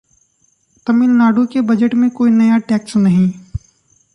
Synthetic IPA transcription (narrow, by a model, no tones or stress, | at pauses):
t̪ɐmɪlnaːɖukebəd͡ʒəʈmẽkoːinɐjaʈɛːksnɐɦĩː